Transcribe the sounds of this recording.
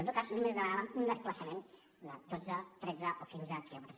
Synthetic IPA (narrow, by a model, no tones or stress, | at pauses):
not̪kaznumezðəmanaβəmund̪əspləsəmen | d̪əd̪od͡zət̪ɾɛd͡zəʔokinzək̪ɛβəɾs